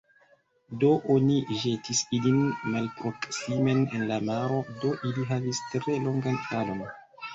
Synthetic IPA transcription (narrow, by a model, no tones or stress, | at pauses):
do̞ʔoniʒe̞tʰisilinmalpɾo̞ksime̞nenlamaɾo̞do̞ʔiliɦavistɾe̞lo̞ŋɡanalo̞n